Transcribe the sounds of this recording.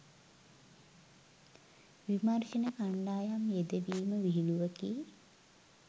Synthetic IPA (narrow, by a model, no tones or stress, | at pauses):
ʋimarʃinəkaɳɖaːjamjed̪eʋiːməʋiɦiluʋəki